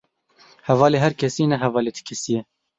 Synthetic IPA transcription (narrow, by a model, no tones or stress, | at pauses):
hɛvɑːleːɦɛɾkʰɛsiːnɛɦɛvɑːleːt̪ʰi̥kʰɛsijɛ